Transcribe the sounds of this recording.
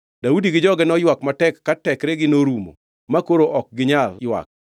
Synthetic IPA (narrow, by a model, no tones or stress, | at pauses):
d̥audiɡɪd͡ʒɔɡɛnɔjwakmatɛkːatɛkɾɛɡɪnoɾumo̰ | makoɾoʔɔk̚ɡɪɲaljwa̰k̚